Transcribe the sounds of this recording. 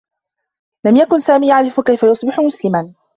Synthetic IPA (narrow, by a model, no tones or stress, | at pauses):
lamjakʊnsaːmiːjaʕɾɪfkajfajʊsˤbɪħʊmʊslɪman